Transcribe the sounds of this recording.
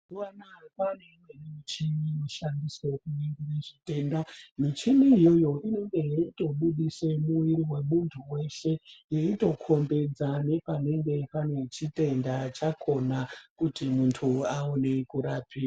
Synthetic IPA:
uʋanapanemwenit͡ʃioʃandisekuneŋɡireʐite̞ːndamit͡ʃiniːjo̞jo̞ʔino̞ŋɡe̞jaito̞ɓuɗisemuwiɾiwe̞muntʰuwe̞ʃe̞jeito̞kʰo̞mbe̞d͡zane̞pane̞ŋɡe̞pane̞t͡ʃite̞ndat͡ʃakʰo̞nakutimuntʰuaone̞kuɾaːpʰia

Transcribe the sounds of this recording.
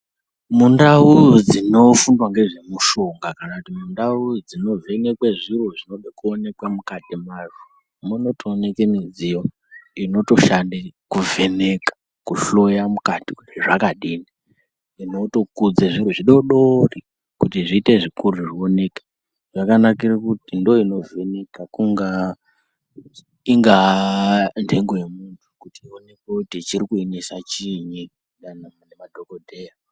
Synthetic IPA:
mundaud͡zino̞fundwaŋɡe̞ʐe̞muʃoŋɡakanakutimundaud͡zino̞ve̞ne̞kweʐiruʐino̞ɓekuone̞kwamukatimaʐu | muno̞tʰoːnekenid͡zijo | ino̞to̞ʃandekuvʱe̞ne̞kḁ | kuɬo̞jamukatikutʐakaɗiːni | ino̞to̞kud͡zeʐiɾ̤uʐiɗo̞ɗori | kutiʐiːte̞ʐikuruʐione̞kḁ | ʐakanakirakutindo̞ino̞ve̞ne̞kakuŋɡa | iŋɡa | ndʰʱe̞ŋɡoje̞muntʰu̥kutiione̞kwekutit͡ʃirikuinisat͡ʃiɲi | annemadʱokodʱeːja

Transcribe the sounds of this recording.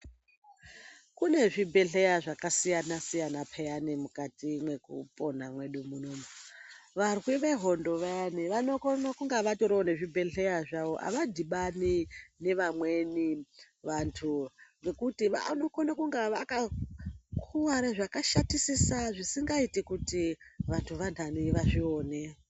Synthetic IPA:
kune̞ʐibʱe̞ɬe̞jaʐakasijanasijanapʰejanimukatimwe̞kṵpʼo̞namwe̞ɗumunom | ʋarwiʋe̞ɦo̞ndo̞ʋejaniʋano̞konakuŋɡaʋatoɾeone̞ʐibʱe̞ɬe̞jaʐaʋo̞ʔa̰ʋadiɓanine̞ʋamwe̞ni | ʋantʰuʋe̞kutiʋa̰no̞konakuŋɡaʋaka | kʰuwaɾaʐakaʃatisisaʐisiŋɡaitikutiʋantʰuʋantʰaniiʋaʐioːne

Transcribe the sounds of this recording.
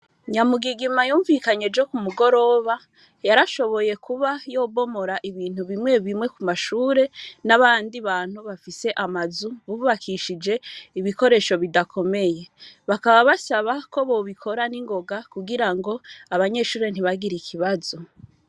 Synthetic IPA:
ɲamuɡiɡimajuːɱvikaɲe̞ɾd͡ʒo̞kumuɡo̞ɾo̞ːβa | jaɾaʃo̞βo̞je̞kʰuβajo̞ːbo̞mo̞ɾaʔiβiːn̥huβimŋe̞βimŋe̞kumaʃuːɾe̞naβaːndiβaːn̥huβafise̞ʔamazuβuβakʰiʃid͡ʒe̞iβiko̞ɾe̞ːʃo̞βidakʰo̞me̞je̞βakaβaβasaβako̞βo̞βikʰo̞ɾaniŋɡo̞ɡakuɡiɾaŋɡo̞aβaɲe̞ːʃuːɾe̞n̥iβaɡiɾikʰiβazo̞

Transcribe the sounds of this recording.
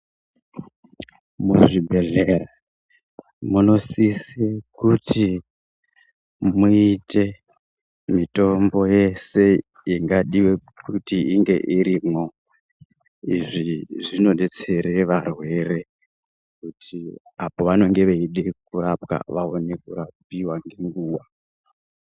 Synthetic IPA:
muʐibʱe̞ɮera | muno̞sisekutʰi | muite̞ | mito̞mbo̞je̞se̞ | iŋɡaɗiwe̞ | kutiiŋɡe̞̰ʔiɾiːmo̞ | iʐiʐino̞ne̞t͡se̞ɾe̞ʋarwe̞re̞ | kutʰi | apo̞ʋano̞ŋɡe̞ʋeiɗe̞kurapka̰ʋaone̞kurap̚iwaŋɡeŋɡuːwa

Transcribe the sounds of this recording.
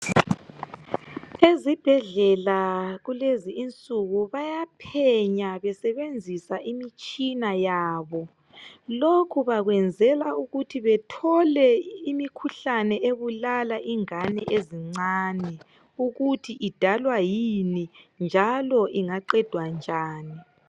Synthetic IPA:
ezib̥ʱɛɮɛlaɣuleziːnt͡sʼuɣuβajapʰɛɲaβɛsɛβend͡zʱisaʔimit͡ʃʼinajaːβɔ | lokʰuβaɣwɛnd͡zʱɛlauɣutʰiβɛtʰɔlɛimikʰuɬanɛʔeβulalaʔiŋanɛʔeziŋ͡ǀaːni | uɣutʰiʔid̥ʱalwajinind͡ʒʱalɔʔiŋaǃɛd̥ʱwand͡ʒʱaːni

